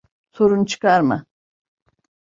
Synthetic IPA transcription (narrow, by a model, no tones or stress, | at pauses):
so̞ɾunt͡ʃʰɯ̥kaɾma̰